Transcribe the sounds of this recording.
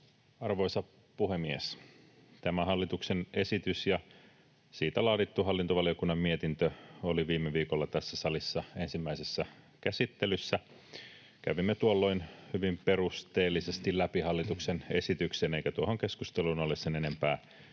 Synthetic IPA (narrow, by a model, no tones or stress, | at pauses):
ɑrʋo̞jsɑ | puhe̞mies | t̪æmæhɑlːit̪ukse̞ne̞sit̪ysjɑ | siːt̪ælɑːdit̪ːuɦɑlːint̪oʋɑlio̞kunːɑmmiet̪int̪øoliʋiːmːeʋiːkolːɑt̪æsːæsɑlisːɑe̞nsimːæisesːæ | kæsit̪ːelysːæ | kæ̰ʋimːet̪uolːo̞inhyʋimpe̞rust̪e̞ːlːise̞st̪ilæpihɑlːit̪uksene̞sit̪ykseːneikæt̪uohoŋke̞skust̪elunolːessenene̞mpæː